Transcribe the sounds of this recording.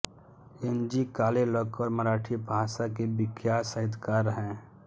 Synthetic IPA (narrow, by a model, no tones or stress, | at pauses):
end͡ʒikaːlelɔkəɾmɐɾaːʈʰibʱaːʃakebɪkʰjaːsəɦɪd̪kaːɾɦɛ̃ː